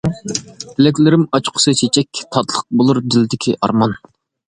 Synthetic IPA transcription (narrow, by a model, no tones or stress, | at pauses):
t̪ʰɪlɛk̬ʲlɪɾɪmɑt͡ʃqʰʊ̥sɨt͡ʃʰet͡ʃʰɛkʲt̪ʰɑt̪lˠəq̚bolˠuɾd̪ɪld̪ɪkʲʰiʔɑ̰ɾmɑn